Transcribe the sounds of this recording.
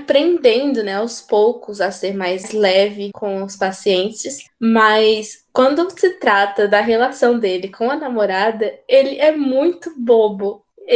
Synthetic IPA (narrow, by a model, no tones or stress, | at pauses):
pɾẽnd̪ẽnd̪ʊnɛawspowkʊzɐseɾmajzzlɛvɪkʰõw̃ʊspasiẽnt͡ʃɪsmɐskwɐ̃nd̪ʊsɪt̪ɾat̪ɐd̪ɐɦelasɐ̃w̃d̪elɪkʰõw̃ɐnamoɾad̪ɐelɪʔɛmũj̃t̪ʊbobʊ